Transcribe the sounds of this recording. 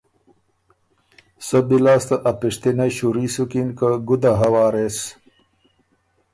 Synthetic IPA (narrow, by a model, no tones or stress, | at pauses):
səbilaːst̪aʔapiʂt̪inajɕuɾisukinkaɡud̪aɦawaːɾes